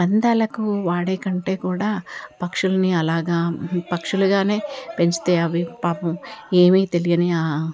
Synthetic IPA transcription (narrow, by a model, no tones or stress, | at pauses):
ɐnd̪aːlɐkuʋaːɽeːkɐɳʈe̞ːkuːɽaːpɐkʂulɐniɐlaːɡaːpɐkʂuluɡaːne̞ːpe̞ɲt͡ʃi̥t̪e̞ːɐʋipaːpɐme̞ːmiːt̪e̞lijɐniaː